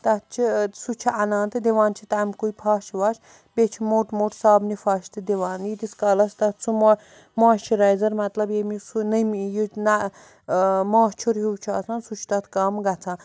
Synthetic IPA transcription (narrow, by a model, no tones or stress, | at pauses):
t̪ɐt̪̚t͡ʃʰisut͡ʃʰiɐnãːnt̪ɨd̪iʋaːnt͡ʃʰit̪amʲkujpʰaːʃʰiʋaːʃ | bet͡ʃʰimoʈmoːʈsaːbnifaːʃt̪ɨd̪iʋaːnjit̪iskaːlɐst̪ɐt̪̚ʰt͡sʰum | mãːʃt͡ʃʰiɾɐjzɐɾmɐt̪lɐbjemisunɐmjina | maːʃt͡ʃʰuɾɦiwt͡ʃʰasʰãːnsut͡ʃʰt̪ɐt̪ʰkɐmɡɐt͡sʰãː